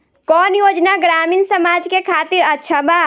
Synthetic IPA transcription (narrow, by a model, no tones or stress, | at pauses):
kɔnjod͡ʒnaɡɾaminsəmad͡ʒkekʰat̪iɾətːʃʰaba